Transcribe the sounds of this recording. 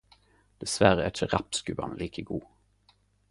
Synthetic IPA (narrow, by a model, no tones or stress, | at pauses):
d̪̥ɛsʋæʁəæɪçəʁɑpskʉbɑ̰nliːkʰəɡuː